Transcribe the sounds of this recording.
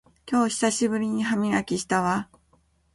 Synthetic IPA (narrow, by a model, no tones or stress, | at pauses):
kʲo̞ːɕi̥saɕibɯ̟ɾʲiɲ̟iɦamʲiɡakʲiɕi̥t̪aβa